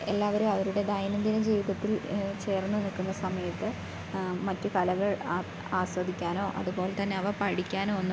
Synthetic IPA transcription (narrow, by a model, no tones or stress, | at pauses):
e̞lːaːʋɐɾumɐʋɐɾuɽe̞d̪ɐjɐnɐnd̪inɐd͡ʑiːʋiðɐt̪ːilt͡ɕe̞ːrnːɨnikːunːɐsɐmɐjɐt̪ːɨ | mɐtːukɐlɐɣɐɭ | aːsʋɐd̪ʱikʲːaːno̞ːʔɐ̰ðubo̞ːlet̪ɐnːe̞ɐʋɐpɐɽikʲːaːno̞ːʋenːu